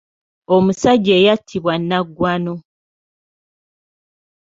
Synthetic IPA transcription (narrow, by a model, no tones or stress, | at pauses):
omusaɟːe̞ːjatʰːiβwanːaɡːwano